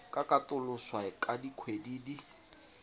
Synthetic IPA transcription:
kʼakʼatʊlʊswaɪkʼadikʰwediːdi

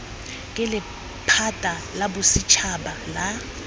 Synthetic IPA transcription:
k̬ʼɛlɪ | pʰatʼalabʊsit͡ʃʰaɓala

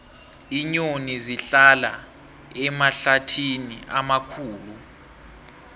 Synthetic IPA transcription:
iɲoniziɬala̰ | ɛmaɬatʰiniʔamakʰuːlu

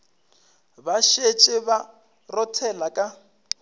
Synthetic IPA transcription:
baʃet͡ʃʼɪβa | rɔtʰɛlakʼa

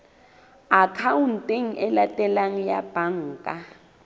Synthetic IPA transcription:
akʰaun̩tʼeŋ̩ʔɛlatʼɛlaŋ̩jab̥aŋ̩ːkʼa

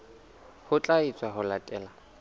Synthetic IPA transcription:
hʊt͡ɬʼait͡sʼwaɦʊlatʼɛːla

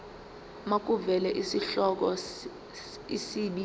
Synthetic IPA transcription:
mak̬ʼuvɛlɛʔisiɬɔk̬ɔ | isiɓi

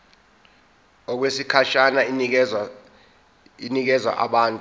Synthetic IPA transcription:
ɔk̬wesikʰaʃana | inik̬ɛzwa̰ʔa̰ɓaːntʼu

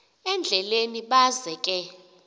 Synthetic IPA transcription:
ɛnd͡ɮʱɛleniɓazɛkʼɛ

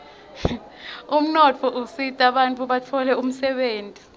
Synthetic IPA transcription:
um̩nɔt͡fʰɔʔusitʼaɓant͡fʼʰuɓat͡fʰɔlɛum̩sɛɓeːntʼi

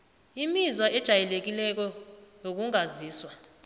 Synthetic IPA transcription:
imizwaʔɛd̥ʒ̥ʱajɛlek̬ilɛk̬ɔjok̬uŋaziːswa

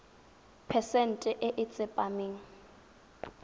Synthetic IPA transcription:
pʰɛsɛn̩tʼɛʔɪʔɪt͡sʼɪpʼamiːŋ̩

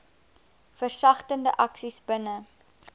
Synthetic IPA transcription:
fərsɐχtəndəʔɐksisbənə

